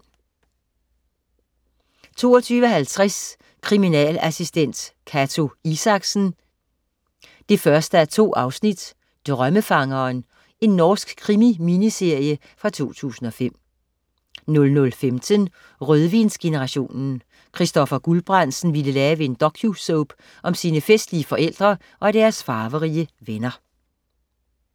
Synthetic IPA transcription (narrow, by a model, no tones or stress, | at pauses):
t͡sʰo̝̰ːɒt͡sʰyːʋəɒɦælt͡sʰʁas | kʰʁiminɛ̰ːlæsisd̥en̰d̥kʰæt͡sʰo̝isɑ̈ɡ̥sn̩ | d̥e̝fɶɐsd̥əæɐt͡sʰo̝̰ːʔɑ̈ʊsnid̥ | d̥ʁɶməfɑ̈ŋɐːn | e̝nːɒːsɡ̥kʰːʁimiminise̝ɐ̰jə | fʁɑ̈t͡sʰo̝̰ːt͡sʰṵːsn̩ɒ̽fem̰ | nɔ̽lnɔ̽lfemt͡sʰən | ʁøð̞ˠʋinsɡ̥e̝nəʁɑ̈ɕo̝̰ːnn̩ | kʰʁisd̥ɒ̽fɐɡ̥ulb̥ʁɑn̰̥sn̩ʋiləlɛːʋe̝end̥ɒ̽kʰjusɔʊb̥ | ʔɒ̽msiːnəfesd̥liəfɒ̽ʔel̰d̥ʁɐ | ʔɒ̽ɾ̥æɐsfɑ̈ːʋəʁiəʋenɐ